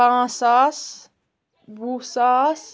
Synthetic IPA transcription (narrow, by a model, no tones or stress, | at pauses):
ãːsas | busaːs